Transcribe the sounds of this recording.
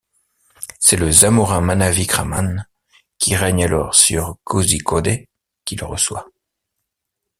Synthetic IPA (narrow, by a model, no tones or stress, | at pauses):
sɛləzamuʁɛ̃manavikχaman | kʲiʁɛɲalɔ̰ʁsyʁkʰozikɔd̪e | kʲilʁə̰swa̰